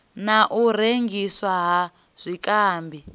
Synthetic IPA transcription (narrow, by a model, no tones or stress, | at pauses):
naʔuɾeŋɡiswaɦa | z̥ʷikʼaːmbi